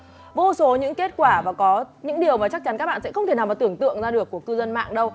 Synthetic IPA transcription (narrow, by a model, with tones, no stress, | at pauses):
vo˧so˨˦ɲɨ̰˧˥ŋke˦˥t̚kwaː˧˩vaː˨˩kɔ˨˦ɲɨ̰˧˥ŋɗi˨˩əwmaː˨˩t͡ɕa˦˥k̚t͡ɕa˨˦nkaː˦˥k̚ɓ̰aː˧˨nsɛ̰˧˥xə˧wŋ͡mt̪e˧˩naː˨˩wmaː˨˩t̪ɨ˧˩əŋt̪ɨ̰˧˨əŋzaː˧ɗɨ˨˩əkːu˧˩əkɨ˧zə˧nma̰ː˧˨ŋɗə˧w